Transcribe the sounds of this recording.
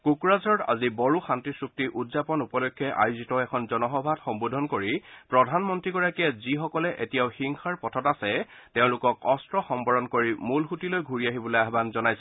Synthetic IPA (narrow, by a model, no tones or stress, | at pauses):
kukɹazɔta̰zibɔɹuxantisɹuk̚tiʔudzapɔnupɔlɔkʰːjɛʔa̰jʊzitɔɛkʰɔnzɔnɔxɔbʱatxɔmbudʱɔnkoɹipɹɔdʱanmɔntɹiɡɔɹakiɛzixɔkɔlɛʔetijaʊxiŋxʰaɹpɔtʰɔtasɛteʊ̃lʊkɔkɔstɹɔxɔmbɔɹɔnkoɹimulxutilojɡʱuɹiaɦibɔlojaɦbanzɔnajsɛ̥